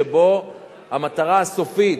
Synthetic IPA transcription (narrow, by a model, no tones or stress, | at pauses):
ebo̞ | hamat̪aʁaaso̞fit̪